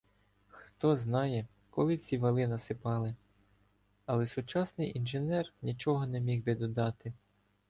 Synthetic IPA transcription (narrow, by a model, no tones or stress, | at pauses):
xt̪ɔznɑjɛ | kɔlˠɪt͡sʲiʋɐlˠɪnɐsɪpɑlˠɪ | ɐlˠɛsʊt͡ʃɑsnɪjʔinʒenɛrnʲit͡ʃɔɦɔnɛmʲiwbɪd̪ɔd̪ɑt̪ɪ